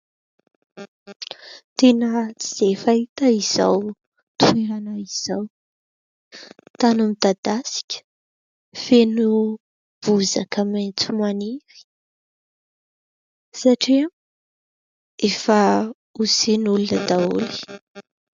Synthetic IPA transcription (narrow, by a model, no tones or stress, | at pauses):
t̪enət͡si̥z̥efait̪əiz̥a̰w | t̪ueɾanaiz̥aw | t̪anumid̪ad̪asi̥kʲə̥ | fenu | b̥uzakamajnt͡sumaniɾi̥ | saʈ͡ʂi | efa | usenulunəd̪aṵli̥